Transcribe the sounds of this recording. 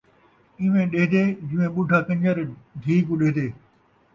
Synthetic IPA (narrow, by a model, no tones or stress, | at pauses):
ɪʋẽɗeːɦd̪eːd͡ʑɪʋẽɓʊɖʱakɐ̃ɲd͡ʑəɾɖʱiːkũɗeɦːd̪eː